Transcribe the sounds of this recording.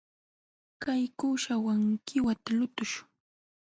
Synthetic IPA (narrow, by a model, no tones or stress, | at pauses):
kajkʊʃawaŋkʰɪwat̪alʊt̪ʊʃʊ̥ŋ